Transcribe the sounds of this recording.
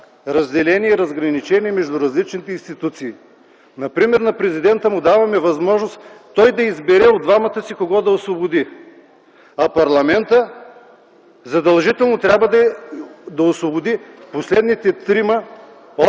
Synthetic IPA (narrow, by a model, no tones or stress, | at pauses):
ɾɐzd̪ɛlɛniɛiɾɐzɡɾɐnit͡ʃɛniɛmɛʒd̪uɾɐzlit͡ʃnit̪ɛinst̪it̪ut̪siː | nɐpɾimɛɾnɐpɾɛzid̪ɛnt̪əmʊd̪avɐmɛvɐzmɔʒnost̪ːɔjd̪ɐizbɛɾɛod̪vamɐt̪əsikoɡɔd̪ɐosvobʊd̪i | ɐpɐɾlˠɐmɛnt̪ə | zɐd̪ɐlˠʒit̪ɛlˠnot̪ɾʲabvɐd̪ɐ | d̪ɐosvobʊd̪iposlɛd̪nit̪ɛt̪ɾimɐ